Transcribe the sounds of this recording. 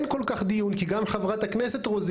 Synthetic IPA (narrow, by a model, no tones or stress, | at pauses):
nko̞lkaχd̪ijunkiɡamχavʁat̪haknese̞t̪ʁoz